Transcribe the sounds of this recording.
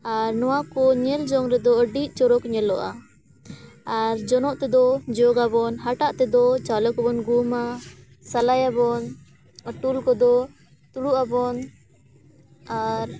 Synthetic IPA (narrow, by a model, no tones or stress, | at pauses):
aɾnɔwakɔɲɛld͡ʒɔŋɾɛd̪ɔəɖiʔ̚t͡ʃɔɾɔkɲɛlɔʔa | aɾd͡ʒɔnɔʔt̪ɛd̪ɔd͡ʒɔɡabɔnɦaʈaʔt̪ɛd̪ɔt͡ʃalɔkabɔnɡuma | salajabɔn | aʈulkɔd̪ɔ | t̪uɽuʔabɔn | aɾ